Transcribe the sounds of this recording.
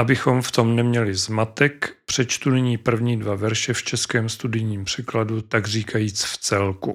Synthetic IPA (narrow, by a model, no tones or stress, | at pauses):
ʔabɪxo̞mft̪o̞mnɛmɲɛlɪzmat̪ɛkpr̥ɛt͡ʃt̪unɪɲiːpr̩vɲiːdvavɛɾʃɛft͡ʃɛskɛːmst̪udɪjɲiːmpr̝̥ɛkladut̪aɡriːkʰajiːt͡sft͡sɛlku